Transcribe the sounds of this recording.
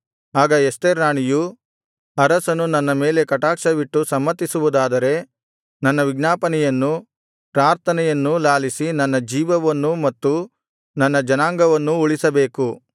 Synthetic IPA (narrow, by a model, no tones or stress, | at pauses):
aːɡɐest̪eɾaːɳiju | ɐɾɐsɐnunɐnːɐme̞ːle̞kɐʈaːkʂɐʋiʈːusɐmːɐt̪ːisuʋud̪aːd̪ɐɾe̞ | nɐnːɐʋiɡnaːpɐnɛjɐnːu | pɾaːɾt̪ʰɐnɛjɐnːulaːlisinɐnːɐd͡ʒiːʋɐʋɐnːumɐt̪ːu | nɐnːɐd͡ʒɐnaːŋɡɐʋɐnːuuɭisɐbe̞ːku